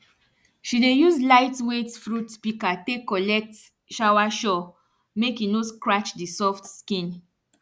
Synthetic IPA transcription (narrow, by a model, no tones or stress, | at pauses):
ʃidejuzlaɪtwetfɹutpikatekːɔlɛk̚t | ʃawaʃɔ | mekinoskɹat͡ʃdisɔftskĩn